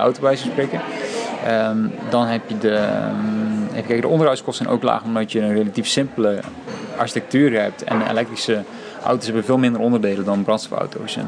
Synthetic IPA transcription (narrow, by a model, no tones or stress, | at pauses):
ɔ̰wtobəʋɛjzəsprekəəmdɔnɦɛpjədə | ɦɛpjɪkɛkədəɔndərœɥskɔsənʔo̰wkla̰ːχəɔmdɔtjəənrelatifsɪmpələʔa̰ɹʃi̥tɛk̚tyːrɦɛp̚tɛ̰nḛlɛk̚trisə | ʔa̰wtosɦɛbənveːlˠmɪndərɔndərdeːlədɔnbrɑntstɔfɔ̰wto̰ws